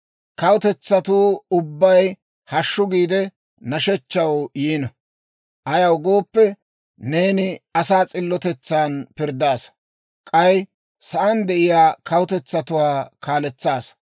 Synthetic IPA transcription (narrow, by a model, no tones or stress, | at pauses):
kɐwʊt̪ɛt͡sːɐt̪uːʊbːɐj | hɐʃːʊɡiːd̪ɛ | nɐʃɛt͡ʃːɐwjiːnɐ | ʔɐjɐwɡo̞ːpːɛ | ne̞ːnɪɐsaːt͡sʼɪlːɔt̪ɛt͡sːaːnpɪɾd̪aːs | kʼɐj | sɐʔɐnd̪ɛʔɪjaːkʰɐwʊt̪ɛt͡sːɐt̪ʊwaːkʰaːlɛt͡sːaːs